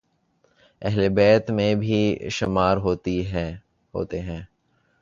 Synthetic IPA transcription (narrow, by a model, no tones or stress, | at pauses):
ɛɦlebɛːt̪mẽbʱiʃɪmaːɾɦoːt̪iɦɛ | ɦo̰ːt̪eɦɛ̃ː